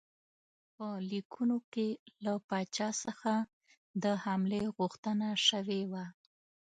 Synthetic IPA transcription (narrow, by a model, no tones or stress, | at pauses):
pəlikʰunokelapɑt͡ʃɑsəxa | d̪əhamleɣuxt̪ənaʃəwewa